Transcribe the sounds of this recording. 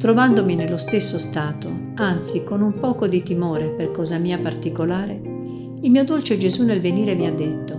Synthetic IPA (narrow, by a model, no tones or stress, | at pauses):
t̪ɾovand̪ominelːost̪esːost̪aːt̪o | ant̪sikonumpɔːkod̪it̪imoːɾeperkɔːzamiːapart̪ikolaːɾe | ilmiːod̪olt͡ʃed͡ʒezunːelveniːɾeviad̪ːet̪ːo